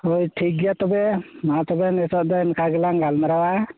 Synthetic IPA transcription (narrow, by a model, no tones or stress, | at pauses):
ojʈʰik̚ɡijat̪ɔbɛmat̪ɔbɛnɛsɔʔ̚d̪ankʰaɡɛlaŋɡalmaɾawa